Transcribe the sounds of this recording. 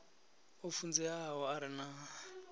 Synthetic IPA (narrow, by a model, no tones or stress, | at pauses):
ofund͡zɛaɦɔaɾina